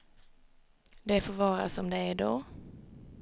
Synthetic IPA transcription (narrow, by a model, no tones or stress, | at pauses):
d̪ɛfoːɾvɑːɾa̰sɔmd̪ɛːɖoː